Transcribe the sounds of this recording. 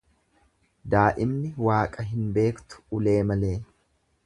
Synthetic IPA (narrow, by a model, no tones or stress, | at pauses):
d̪aːʔɪmnɪwaːkʼɐɦɪnbe̞ːkt̪ʊ̥ʊle̞ːmɐle̞ː